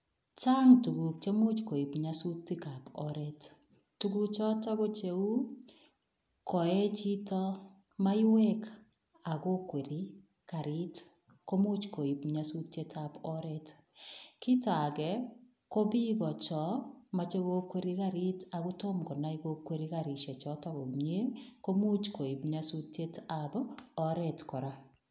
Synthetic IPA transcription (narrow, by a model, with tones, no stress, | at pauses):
t͡ʃa˦ŋtu˨ɡu˨k̚t͡ʃe˦mu˦t͡ʃko˨i˨pɲasu˦k̚ti˦ka˨pɔɾɛ˦t | tu˦ɡu˦t͡ʃɔ˦ta˦ɣo˦t͡ʃe˦u˦ | kɔ˨ɛ˦t͡ʃi˦tɔ˦ | ma˦i˦we˦k | a˨ko˦kwe˨ɾi˦ | ka˨ɾi˦t | ko˦mu˦t͡ʃko˨i˨bɲa˦su˦tje˦tʰa˨bɔ˦ɾɛ˦t | ki˦ta˨ɡɛ˨ | ko˦bi˦ɣɔ˨t͡ʃɔ˨ma˨t͡ʃe˦ɣo˦kwe˦ɾi˦ka˦ɾi˦ta˨ɣʊ˦to˦mkɔ˨na˦i˦ɣo˦kːwe˦ɾi˦ka˨ɾi˨ʃɛ˨t͡ʃɔ˨˦ta˦ɣo˨ɲe˦ko˦mu˦t͡ʃko˨i˨bɲa˦su˦tje˦tabɔ˦ɾɛ˨tkɔ˨ɾa˦